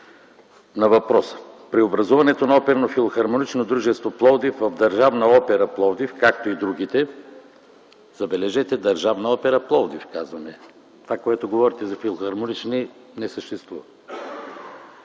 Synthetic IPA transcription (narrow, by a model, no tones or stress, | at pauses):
nɐvɐpɾɔsə̥pɾiobɾɐzuvɐnɛt̪onɐɔpɛɾənofilˠoxɐɾmonit͡ʃnod̪ɾuʒɛst̪voplˠɔd̪ifvɐvd̪ɐɾʒavnɐɔpɛɾɐplˠɔd̪ifkakt̪oid̪ɾuɡ̟it̪ɛ | zɐbɛlɛʒɛt̪ɛd̪ɐɾʒavnɐɔpɛɾɐplˠɔd̪ifkazvɐnɛ | t̪ovakoɛt̪oɡovɔɾit̪ɛzɐfilˠoxɐɾmonit͡ʃni | nɛsəʃt̪ɛst̪vṵvɐ